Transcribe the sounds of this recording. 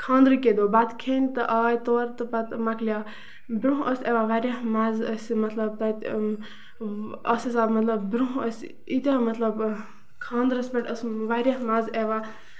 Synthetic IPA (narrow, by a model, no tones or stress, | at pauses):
kʰãːnd̪ɾɨked̪oːbat̪kʰeːnʲt̪ɨʔaːjt̪oːɾt̪ɨpɐt̪mɐkʰlijaː | bɾuɦʔəsʲeʋaʋaɾʲahmaːzəsʲmɐt̪lɐb̚t̪ɐt̪ʲ | ɐsɐsaːbmɐt̪lɐbbɾuɦəsʲ | it̪ʲemɐt̪lɐb | kʰãːnd̪ɾəsʲbʲeʈəsʋaːɾʲahmaːzeʋa